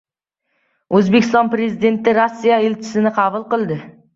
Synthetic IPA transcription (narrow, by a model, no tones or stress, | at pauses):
ɵzbekʲʰɪst̪ɒnpɾezid̪e̞nt̪ɪɾosːijaelt͡ʃʰɪ̥sɪnɪqʰɑvʊlˠqɨlˠd̪ɪ